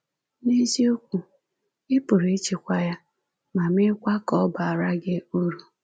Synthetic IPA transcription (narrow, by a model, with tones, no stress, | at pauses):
ne˦zi˦o˦kʷu˨ | ɪ˦pʊ˨ɾe˦t͡ʃi˨kʷa˨ja˦ | ma˨mɪ˦kʷa˦kɔ˦ba˨a˨ɾa˦ɡɪ˦u˦ɾu˨